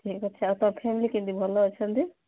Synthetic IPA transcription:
ʈʰikɔtːʰɛat̪ɔpʰemilikĩnd̪ibʱɔloɔt͡ʃʰənd̪i

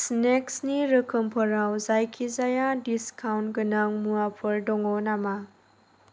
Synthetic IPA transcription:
sneksniɾəkʰɯmpʰəɾawzajkʰizajadiskʰawnɡɯnaŋmuapʰɯɾdɔŋɔnama

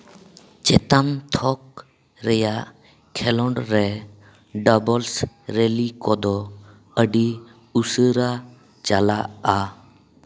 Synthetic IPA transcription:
t͡ʃɛt̪amt̪ʰɔk̚ | ɾɛjaʔ | kʰɛlɔɳɖɾɛ | ɖəbɔls | ɾelikɔd̪ɔ | əɖi | usəɾa | t͡ʃalaa

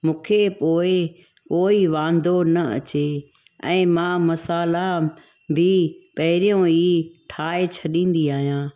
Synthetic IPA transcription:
mũːkʰepoːɪ | koːiʋãːnd̪ʱonɐɐ̰t͡ɕe | ɛ̰̃ːmãːmɐsaːla | bʱɪpɐɦɪɾijõiʈʰaːet͡ɕʰɐɗĩːnd̪iaːɦijãː

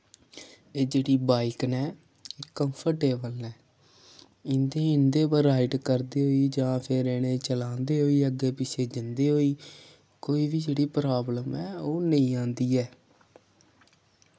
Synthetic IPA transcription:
eːd͡ʒeːɽiːbaːɪknɛː | eːkəmpʰəʈeːbəlnɛː | ɪnd̪eːɪ̃nd̪eːpəɾaːɪʈkəɾd̪eːɦoːiːd͡ʒãːpʰɪɾɛːɽ̃eːt͡ʃəlãːnd̪eːɦoːiːəɡeːpɪsʰeːd͡ʒɪnd̪eːɦoːiː | koːiːbiːd͡ʒeːɽiːpɾaːbləmɛːoːnəĩːãːnd̪iːɛː

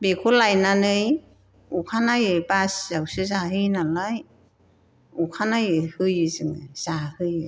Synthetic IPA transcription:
bekʰolajnanɯj | ukʰanajɯjbaszawsɯzaɦɯjnalaj | ukʰanajɯhɯjɯzɯŋɯ̰z̥ahɯjɯ

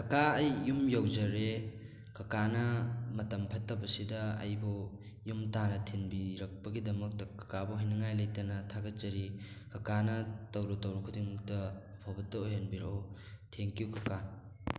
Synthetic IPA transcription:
kʰɐkaɐjːumjowzɐɾe | kɐkanɐmɐtɐmpʰɐtːɐbɐsidɐɐ̰jbɔ | jumtanɐtʰinbiɾɐk̚pɐɡidɐmɐk̚tɐkɐ̥kabɔɦajnɐŋajlɐjtɐnɐtʰaɡɐt̚t͡ʃɐɾikɐkanɐtɐwɾɔtɐwɾukʰudiŋktɐɐpʰawbɐtːɐoɦenbiɾotʰeŋkjukɐka

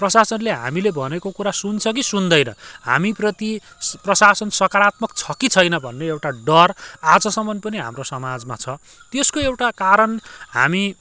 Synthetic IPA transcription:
prʌsasʌnleɦa̰milebʱʌnekokuɾasunt͡sʰʌk̬isund̪ʌjnʌ̰ha̰miprʌt̪i | prʌsasʌnsʌkaɾat̪mʌkt͡sʰʌkit͡sʰʌjnʌbʱʌnːeewʈaɖʌrad͡zʌsʌmʌnpʌniɦa̰mrosʌmad͡zmat͡sʰʌ | t̪eskoewʈakaɾʌnɦa̰mi

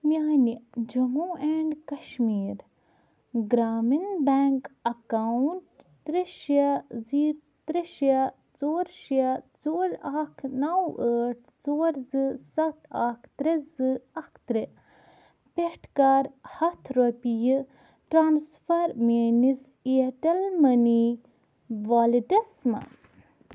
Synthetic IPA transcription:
mjaːnid͡ʒɐmuːʔɛɳɖkɐʃmiːɾ | ɡɾaːminbɛːŋkɐkawuɳʈt̪ɾeʃiɐziːɾ | t̪ɾeʃɐ | t͡soːɾʃiɐt͡soːɾakʰnawəːʈ̚ʰt͡soːɾzɨsɐt̪ʰakʰt̪ɾezɨɐkʰt̪ɾe | peʈʰkaɾhɐt̪ʰɾopijɨ | ʈɾaːnsfɐɾmeːnis | iɐʈɐlmɐni | ʋaːliʈɐsmɐ̰ns

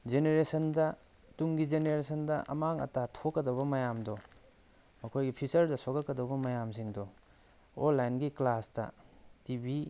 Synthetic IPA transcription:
d͡ʒeneɾesɐndɐ | tuŋɡid͡ʒeneɾesɐndɐʔɐ̰maŋɐ̰tatʰokːɐdɐβɐmɐjamdɔ | mɐkʰojɡipʰisɐɾdɐsokɐkːɐdɐbɐmɐjamsiŋdɔ | onlːajnɡiklastɐ̰tibi

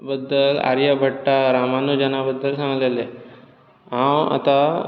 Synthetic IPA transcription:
bəd̪ːəla̰ɾjəbʱəʈːaɾamanud͡ʑanabəd̪ːəlsãŋɡlele | ɦãwa̰t̪a

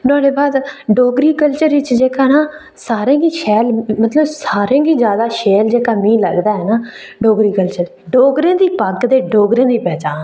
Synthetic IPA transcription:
t̪ʊãːɽeːbaːd̪ɖoːɡɾiːkəlt͡ʃəɾʋɪt͡ʃd͡ʒeːkaːnaː | saːɾẽːɡiːʃɛːlmət̪ləbsaːɾẽːɡiːzjaːd̪aːʃeːld͡ʒeːkaːmĩːləɡd̪aːɦɛːnaː | ɖoːɡɾiːkəlt͡ʃəɾ | ɖoːɡɾẽːd̪iːpəɡd̪eːɖoːɡɾẽːd̪iːpɛːt͡ʃaːn

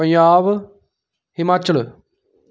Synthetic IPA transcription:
ə̃ɲaːʋ | hɪmaːt͡ʃəl

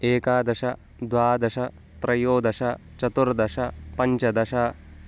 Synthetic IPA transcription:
eːkaːd̪ɐʃɐ | d̪ʋaːd̪ɐʃɐ | t̪ɾɐjoːd̪ɐʃɐ | t͡ʃɐt̪uɾd̪ɐʂɐpɐɲt͡ʃɐd̪ɐʃɐ

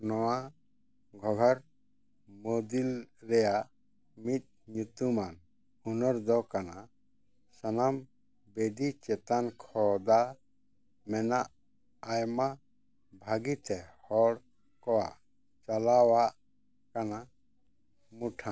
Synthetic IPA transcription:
nɔwa | ɡʱɔɡʱɔɾ | mod̪ilɾɛjaʔ | mit̪̚ɲut̪uman | unɔɾd̪ɔkana | sanam | beɖit͡ʃɛt̪ankʰɔd̪a | mɛnaʔː | jma | bʱaɡit̪ɛhɔɽ | kɔwaʔ | t͡ʃalawaʔ | kana | muʈʰã

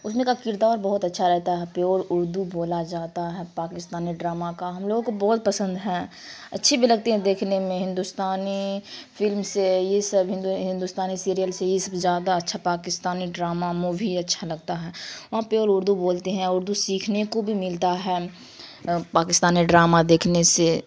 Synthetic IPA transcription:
ʊsmẽkakɪɾt̪aɔːɾbɔɦʊt̪ɐtːʃʰaɾɛɦt̪aɦɛpjoːɾʊɾd̪uboːlad͡ʒaːt̪aɦɛːpaːkɪst̪aːniɖɾaːmakaɦɐmloːɡõkobɔːt̪̚pɐsə̃nd̪ɦɛ̃ː | ɐtːʃʰebʱilɐɡ̚t̪eɦɛ̃d̪eːkʰnemẽɦɪ̃nd̪ust̪aːnifɪlmsejesɐbɦɪ̃nd̪uɦɪ̃nd̪ʊst̪aːnisiːɾijəlsejesɐbzjaːd̪aɐtːʃʰapaːkɪst̪aːniɖɾaːmamobʱiɐtːʃʰalɐɡ̚t̪aɦɛːʋɐɦãpjoːɾʊɾd̪uboːlt̪eɦɛ̃ʊɾd̪usiːkʰnekobʱimɪlt̪aɦɛː | paːkɪst̪aːniɖɾaːmad̪eːkʰnese

